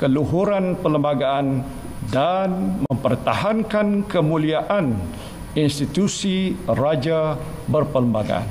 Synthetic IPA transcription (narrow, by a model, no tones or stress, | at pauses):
kəluɦuɾanpələmbaɡaan | danməmpərt̪a̰hankankəmuliaʔan | inst̪it̪usirad͡ʒa | bərpələmbaɡa̰ʔa̰n